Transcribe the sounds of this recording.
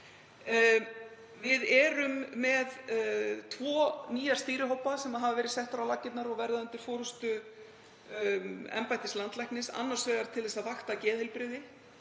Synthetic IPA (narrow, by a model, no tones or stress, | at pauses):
vɪðɛɾʏmːɛðt̪ʰvɔːniːjḁst̪iːɾɪɦowpasɛmaðɦavavɛːɾɪ̥sɛht̪fɾawlacɪt̪naɾɔɣvɛɾðaʏnt̪ɪɾ̥foːɾʏst̪ʏ | ɛ̰mpajt̪ɪslant̪lajknɪsa̰nːaɾ̥svœːɣaɾ̥t̪ʰɪlɛsavaxt̪acɛːðɪlpɾɪðɪ